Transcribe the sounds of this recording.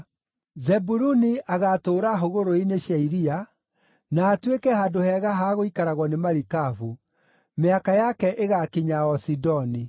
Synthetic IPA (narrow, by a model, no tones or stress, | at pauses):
zɛbuɾuniʔaɣatoːɾaɦoɣoɾoineɕjaiɾia | naːtwekɛhaːdohɛɣaɦaɣoikaɾaɣwɔnemaɾikavu | meakajakɛʔeɣakiɲaɔsidɔni